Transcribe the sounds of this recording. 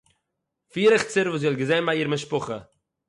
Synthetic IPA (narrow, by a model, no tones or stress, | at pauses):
fiːɾəχt͡sɪɾvuːs̬ɔlɡəzeɪnbaiːɾmɪʃpʊχə